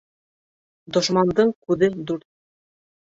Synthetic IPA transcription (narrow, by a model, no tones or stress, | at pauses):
d̪ŏʃmɑnd̪ɤɴkʉðɘd̪ʉɾt̪̚